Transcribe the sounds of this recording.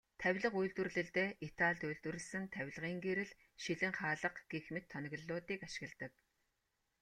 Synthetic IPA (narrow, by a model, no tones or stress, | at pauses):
t̪ʰæwʲɮə̆qujɮt̪wɘ̆rɮɘ̆ɮt̪eːʔit̪ʰaɮt̪ujɮt̪wɘ̆rɘ̆ɮsɘ̆nt̪ʰæwʲɮʁiːŋɡeɾɘ̆ɮ | ʃiɮɘ̆ŋχaːɮə̆qɡ̥exmĕt̪ʰːɔnɞ̆ɣə̆ɮːʊːt̪iːkaʃɪ̆ɣə̆ɮt̪ə̆k̚